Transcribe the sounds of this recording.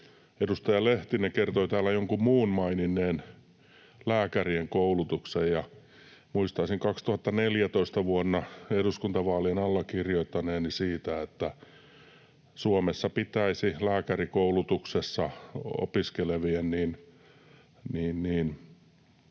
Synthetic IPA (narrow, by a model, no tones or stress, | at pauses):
edust̪ɑjɑleht̪ineŋkert̪oit̪æːlːæjoŋkummuːnmɑininːˑeːn | læːkærieŋkoulut̪uksejjɑ | muist̪ɑisiŋkɑkst̪uhɑt̪ːɑneljæt̪oist̪ɑʋuonːɑeduskunt̪ɑʋɑːlienɑlːɑkirjoit̪ːɑneːnisiːt̪æet̪ːæ | suomesːɑpit̪æisilæːkærikoulut̪uksesːɑo̰piskeleʋienniːn | niːnniːn